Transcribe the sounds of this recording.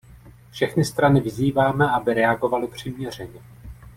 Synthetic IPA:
fʃɛxnɪst̪ɾanɪvɪziːvaːmɛʔabɪɾɛaɡo̞valɪpr̝̥ɪmɲɛr̝ɛɲɛ

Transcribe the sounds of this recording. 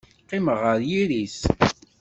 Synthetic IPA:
qːiməʁəɾjiɾis

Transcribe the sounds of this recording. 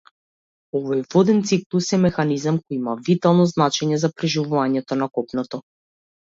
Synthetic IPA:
ɔvɔjvɔd̪ɛnt̪siklˠusɛmɛxanizamkɔjimavit̪alˠnɔznat͡ʃɛɲɛzapɾɛʒivuvaɲɛt̪ɔnakɔpnɔt̪ɔ

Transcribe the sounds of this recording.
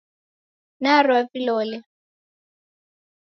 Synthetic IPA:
narwavilɔːlɛ

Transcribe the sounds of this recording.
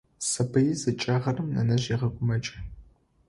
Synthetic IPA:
sɐbɨjizɨt͡ʃʼɐʁɐrɨmnɐ̰nɐʑiʁɐkʷʼʊmɐt͡ʃʼɐ

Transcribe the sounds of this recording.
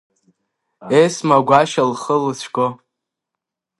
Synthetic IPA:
esmaɡʷaʃalχəlɨsʷʰɡo

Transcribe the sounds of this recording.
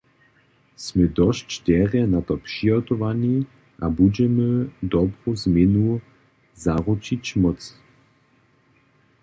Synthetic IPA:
sməd̪ɔʃt͡ʃt̪ɛʁɛnat̪ɔpʂiɔt̪ɔʋani | ʔabud͡ʑɛməd̪ɔbʁozmjɛnu | zaʁut͡ʃit͡ɕmɔtt͡s

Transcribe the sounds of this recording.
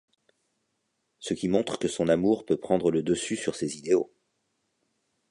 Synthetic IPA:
səkʲimɔ̃t̪χə̥kəsɔ̃namuʁpøpχɑ̃d̪ʁələd̪əsysyʁsezid̪eo̰

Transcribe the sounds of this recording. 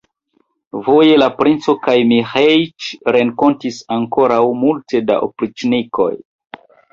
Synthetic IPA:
vo̞je̞lapɾint͡so̞kajmihejt͡ʃɾe̞ŋko̞ntisaŋko̞ɾawmulte̞da̰ʔopɾit͡ʃniko̞̰j

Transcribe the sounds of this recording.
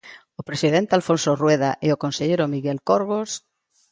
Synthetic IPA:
opɾesiðent̪ealfõnsorweðaʔeokonseʎejɾomiɣelkoɾɣos

